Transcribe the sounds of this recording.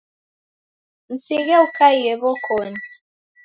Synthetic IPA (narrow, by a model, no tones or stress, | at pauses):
n̩siɣɛukʰaijɛbɔkʰoni